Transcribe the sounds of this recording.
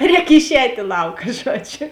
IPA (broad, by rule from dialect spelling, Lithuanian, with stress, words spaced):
ˈrʲɛːk ɪʃʲˈɛːtʲ ɪ ˈlˠɐʊkɐ ˈʒuɔˌd͡ʒʲʊ